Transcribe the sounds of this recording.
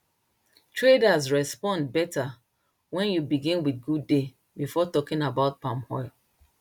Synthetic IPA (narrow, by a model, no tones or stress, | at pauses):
tʰɹedazɹɛspɔ̃ndbɛta | wɛ̃njubiɡĩnwiθɡudːe | bifɔtɔkĩnabaʊt̚pãmhɔɪl